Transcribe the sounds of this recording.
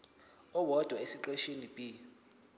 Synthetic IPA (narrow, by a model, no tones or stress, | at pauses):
ɔwɔd̥ʱwaesiǃeʃenib̥ʱʼi